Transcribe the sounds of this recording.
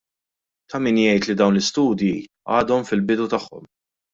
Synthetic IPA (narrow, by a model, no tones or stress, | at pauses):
t̪ɐmiːnjɛjt̪lid̪ɐwnlɪst̪uːd̪ji | ɐ̰ːd̪ɔmfɪlbɪd̪ut̪ɐħːɔ̰m